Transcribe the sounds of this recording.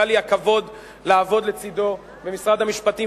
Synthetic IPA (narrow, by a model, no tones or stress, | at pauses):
aliakavo̞d̪ | laːvo̞d̪le̞t͡sid̪o̞ | bemisʁad̪amiʃpat̪i